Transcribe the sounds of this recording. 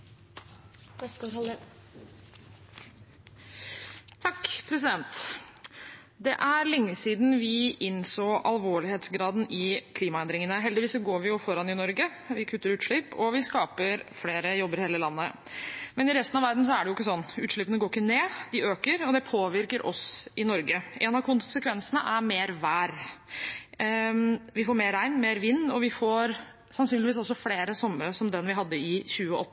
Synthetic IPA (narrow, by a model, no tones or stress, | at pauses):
t̪ʰɑkːpʰɾɛs̬ɪd̪ɛnt̪ | d̪ɛʔæɾlɛŋːəsiːd̪nʋɪʔɪnsoːʔɑlʋoːɭɪheːt̪sɡɾɑːd̪n̩ɪkʰliːmɑɛnd̪ɾɪŋənəɦɛld̪ɪʋiːsɔɡoːɾʋɪjʊfɔɾɑnːɪnɔɾɡə | ʋɪkʰʉt̪ːəɾʉːt̪ʂɭɪpːɔʋɪskɑːpəɾfleːɾəjɔbːəɾheːləlɑnːə̰ | mɛnɪɾɛst̪nɑʋæɾd̪n̩s̬ɔæɖɛjʊɪkːəsɔnːʉːt̪ʂɭɪːpːənəɡoːɾɪkːəneːd̪ɪøːkəɾɔd̪ɛpʰoːʋɪɾkəɾʔɔsɪnɔɾɡəʔɛnɑkʰʊnsəkʰʋɛnsənəʔæɾmeːɾʋæːɾ | ʋɪfoːɾmeːɾæɪnmeːɾʋɪnːɔʋɪfoːɾ | sɑnsyːnlɪʋiːs̬ɔsɔfleːɾəsɔmːəɾəsɔmd̪ɛnʋɪɦɑd̪ːəɪçʉːəʔɔt̪ːə